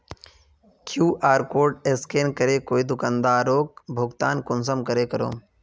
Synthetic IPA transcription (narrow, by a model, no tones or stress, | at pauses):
kʰjuːʔaːɾkoːɾɖeskeːnkəɾekoːid̪ʊkand̪aːɾoːk̚bʱʊɡt̪aːnkʊns̬əmkəɾekəɾo̰ː